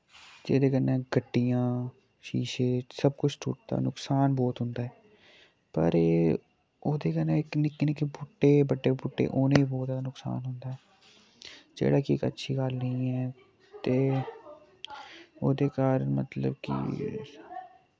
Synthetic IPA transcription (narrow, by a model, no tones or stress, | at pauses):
d͡ʒeːd̪eːkənẽːɡʱəʈːijãː | ʃiːʃeːsəb̚kʊt͡ʃʰt̪ʰṵːʈ̚d̪a̰ːnʊksaːnbɔːt̪ɦʊnd̪aːɦɛː | pə̰ɾ | oːd̪eːkəɾnẽːknɪkːnekebʊʈːeːbəɖːeːbʊʈːḛːʔoːnẽːibɔːt̪anʊksa̰ːnɦʊnd̪aːɦɛː | d͡ʒḛːɽaːkikə̰tːʃʰiːɡaːlnəĩɛː | t̪eː | oːd̪eːkaːɾənmə̰t̪lə̰bkḭ